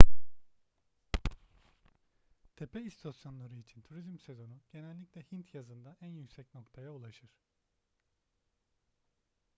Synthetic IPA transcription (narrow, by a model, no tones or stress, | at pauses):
t̪ʰe̞pʰɛist̪ʰosjo̞nlˠaɾɯit͡ʃʰint̪ʰuɾizmse̞zo̞nuɟ̥e̞nɛlʲːicʲlʲɛhint̪ʰjazɯnd̪aænjycʲsɛcno̞kt̪ʰajaulˠaʃɯɾ̥